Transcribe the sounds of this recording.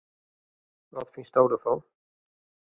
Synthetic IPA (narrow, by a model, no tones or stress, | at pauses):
ʋɑtfinstowdəfɑn